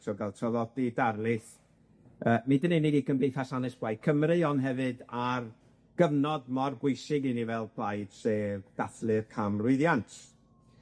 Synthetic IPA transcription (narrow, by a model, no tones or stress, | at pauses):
tʰɔɡalˠtʰɔðɔdidarlɨθ | əːmidənenidikʰənbejθasanɨsb̥wajkʰəmrɨɔnɦɛvɨdar | ɡ̥əvnɔdmɔrbʊɨsɨɡɨnivɛlˠbʰlˠajd̥sed̥aθlˠɨrkʰamrʊɨðjantʰ